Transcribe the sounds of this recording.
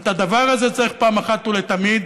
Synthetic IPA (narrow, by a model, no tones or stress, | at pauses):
t̪ad̪avaʁazet͡saʁiχpaːmaχat̪ulet̪amid̪